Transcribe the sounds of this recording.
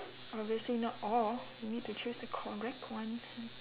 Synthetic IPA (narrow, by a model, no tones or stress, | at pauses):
ɔbviəslinɔtɔljinid̚tut͡ʃʰusəkʰɔɹɛk̚tʰwãnɛ̃n